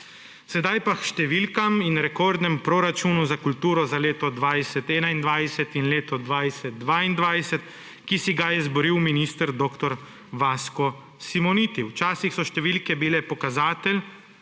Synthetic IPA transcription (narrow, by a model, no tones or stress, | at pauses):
sɛd̪ajpaʃt̪ɛʋilkaminɾɛkoːɾd̪nɛmpɾoːɾat͡ʃuːnuzakult̪uːɾɔzaleːt̪ɔd̪ʋajsɛt̪ɛːnaind̪ʋajsɛt̪inleːt̪ɔd̪ʋaːjsɛt̪̚ːʋaːind̪ʋajsɛt̪ | kisiɡajɛzbɔɾiwminiːst̪əɾd̪oːkt̪ɔɾ | ʋaːskɔ | simɔnit̪iwt͡ʃaːsixsɔʃt̪ɛʋilkɛbilɛpɔkazaːt̪ɛl